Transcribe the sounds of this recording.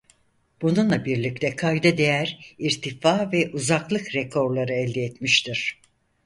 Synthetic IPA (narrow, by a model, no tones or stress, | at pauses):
b̥ununlˠabiɾlʲic̚t̪ʰɛkʰajd̪ad̪e̞jæɾiɾt̪ʰifaːvɛʔuzaklˠɯkɾɛkʰo̞ɾlˠaɾɯɛlʲd̪ɛɛt̪miʃt̪ʰiɾ̥